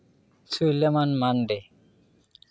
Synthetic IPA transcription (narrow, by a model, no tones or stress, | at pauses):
sujlamanmanɖe